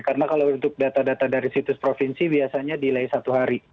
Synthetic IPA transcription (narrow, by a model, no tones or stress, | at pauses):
karənakalawnt̪ʊk̚dat̪adat̪adaɾisit̪ʊspɾofinsibiasaɲadilaisat̪uɦaɾi